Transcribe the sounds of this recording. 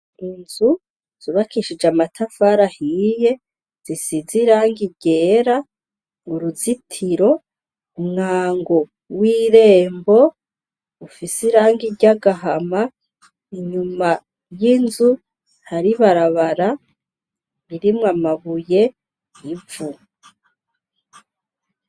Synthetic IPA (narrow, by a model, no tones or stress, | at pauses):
inzu | z̥uβakiʃid͡ʒamatʰafaɾahije̞ | z̥isiziɾaːŋɡiɟe̞ːɾa | ŋuɾuzitʰiɾo̞ | umŋaːŋɡo | wiːɾe̞ːmbo̞ | ufisiɾaːŋɡiɾɟaɡaɦama | iɲuma | jinzu | haɾiβaɾaβaɾa | iɾimŋamaβuje̞ | ivu